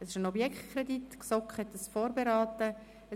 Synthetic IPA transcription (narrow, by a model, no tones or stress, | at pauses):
ɛsɪʃənɔbjɛkχtkʰχɾeditksɔkχhɛtdɑsfoːɾbeɾɑːt̪ə | ɛ